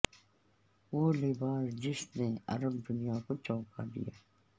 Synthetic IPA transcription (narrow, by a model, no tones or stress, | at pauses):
ʋoːleːbaːɾd͡ʒɪsneɐ̰ɾəbd̪ʊnijakot͡ʃɔ̃ːkad̪ḭjaː